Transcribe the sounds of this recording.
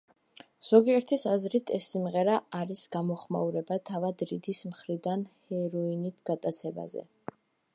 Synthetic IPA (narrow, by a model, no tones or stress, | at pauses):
z̥ɔɡiɛɾt̪ʰisazɾit̪ʰɛsːimʁɛɾaːɾisɡ̥amɔχma̰uɾɛbat̪ʰavad̪ɾid̪ismχɾid̪anhɛɾɔinit̪ʰɡ̥at̪ʼat̪sʰɛba̰zɛ̰